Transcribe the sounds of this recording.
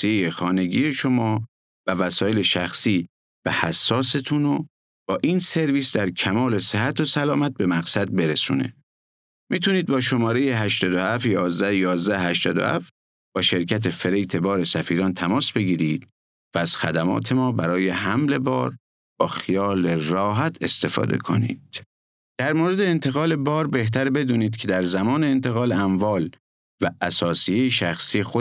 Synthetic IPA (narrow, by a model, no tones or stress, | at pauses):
siejexɒːne̞ɡiːje̞ʃo̞mɒː | vævæsɒːjele̞ʃæxsiː | v̥æhæsːɒːse̞t̪ʰuno | b̥ɒːʔiːnse̞ɾviːsd̪æɾcʰæmɒːle̞seɦæt̪ʰosælɒːmæt̪̚be̞mæɣsæd̪̚be̞ɾesṵːne̞̰ | miːt̪ʰuniːd̪̚bɒːʃo̞mɒːɾejeɦæʃt̪ɒːd̪ohæft̪jɒːzd̪æhjɒːzd̪æhhæʃt̪ɒ̰ːd̪o̞̰hæ̰ft̪ | b̥ɒːʃe̞ɾcʰæt̪ʰe̞fe̞ɾejt̪ʰe̞bɒːɾe̞sæfiːɾɒːnt̪ʰæmɒːsbe̞ɟiːɾiːd̪̥ | vææz̥xæd̪æmɒ̰ːt̪ʰe̞mɒːbæɾɒːje̞ɦæmle̞bɒ̰ːɾ | b̥ɒːxijɒːlerɒːɦæt̪ʰe̞st̪e̞fɒ̰ːd̪e̞̰kʰo̞̰nḭːd̪̥ | d̪̥æɾmoːɾe̞d̪eːnt̪ʰe̞ɣɒːle̞bɒːɾbe̞ht̪ʰæɾbe̞d̪uːniːd̪̥cʰe̞d̪æɾzæmɒːneːnt̪ʰeɣɒːleæmvɒːl | væʔːsɒːsijejeʃæxsiːexo